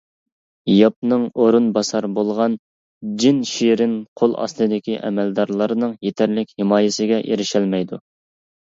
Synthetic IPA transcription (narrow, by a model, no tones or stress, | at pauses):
jɑp̚nɨŋoɾunbɑsɑɾbolˠʁɑn | d͡ʒinʃiɾɪnqʰolˠɑ̰slˠɨd̪ɪkʲʰiʔɛ̰mɛld̪ɑɾlˠɑɾɨnɨŋjet̪ʰæɾlɪkʲhɪmɑːjɪsɪɡʲɛʔeɾɪʃɛlmɛjd̪u